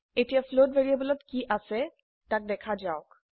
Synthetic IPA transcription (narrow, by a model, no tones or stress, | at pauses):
etijaflodbeɹiabɔlɔtkiʔasɛ | tak̚dɛkʰazaɔk